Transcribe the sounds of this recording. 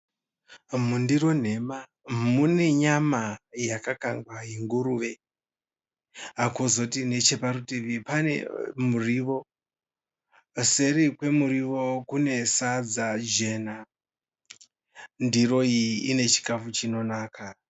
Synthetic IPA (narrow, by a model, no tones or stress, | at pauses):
mundiro̞n̤e̞ma | mune̞ɲamajakakaŋɡwaɦiŋɡuɾuʋe̞ | akozo̞tine̞t͡ʃe̞paɾutiʋipanḛmuriʋo̞ | se̞ɾikwe̞muɾiʋo̞kune̞sad͡zad͡ʒe̞na | ndiro̞iːne̞t͡ʃi̥kafut͡ʃino̞naːka